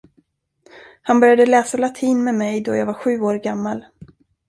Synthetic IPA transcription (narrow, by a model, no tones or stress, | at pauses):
hanbœɾjad̪əlɛːsalat̪ʰiːnmɛmɛjd̪ɔja̰ːɡvaɾɧʉ̟ːoːɾɡamːal